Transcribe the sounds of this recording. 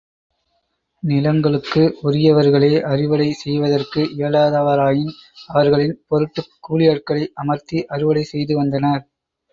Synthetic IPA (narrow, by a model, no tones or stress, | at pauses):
nɪlɐŋɡɐɭɯkːɯʊɾɪjɐʋɐɾɣɐɭeːʔɐrɪʋɐɭɐɪsɛjʋɐðɐrkɯʔeɐɭaːðaʋɐɾaːjɪnɐʋɐɾɣɐɭɪnpɔɾɯʈːɯkːuːɭɪjaːʈ̚kɐɭɐɪʔɐmɐɾt̪iʔɐrɪʋɐɭɐɪsɛjðɯʋɐnd̪ɐnɐɾ